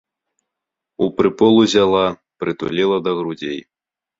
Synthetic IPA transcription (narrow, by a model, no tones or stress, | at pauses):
upɾɨpɔlˠuzʲalˠa | pɾɨt̪ṵlʲɛlˠɐd̪ɐɣɾud͡zʲej